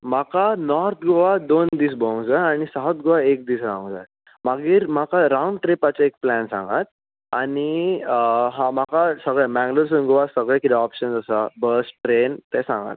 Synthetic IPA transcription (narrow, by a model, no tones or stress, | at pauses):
makanɔɾt̪ʰɡoʋad̪ond̪iːs̬bɔŋɡd͡zajaɽ̃isaɦət̪̚ɡoʋaek̚d̪iːsɾãw̃ŋd͡za̰ | maɡiːɾm̤akaɾauɳɖʈɾepat͡ɕaek̚plɛnsã̰ŋɡat̪̚ | aɽ̃i | ɦãmakasəɡɭɛmɛ̃ŋɡloɾs̬ənɡoʋasəɡɭɛkit̪ɛɔpɕənd͡zəsabəsʈɾent̪ɛsã̰ŋɡa̰t̪̚